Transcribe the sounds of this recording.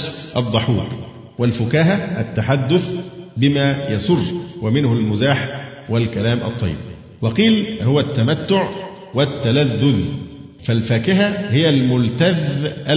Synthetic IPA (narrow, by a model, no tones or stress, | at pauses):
sʔɑd̪ˤːɑħuːɾˤ | wɪlfʊkæːɦaʔæt̪ːaħad̪ːʊθbɪmæːjɑsˤʊrːwæmɪnhʊlmʊzaːħ | wælkælaːmʔɑ̰t̪ˤːɑ̰jːɪ̰b | wɑqiːlhʊwæt̪ːamat̪ːʊʕ | wæt̪ːalaðːʊð | fælfæːkɪɦæhɪjælmʊlt̪aðʔæ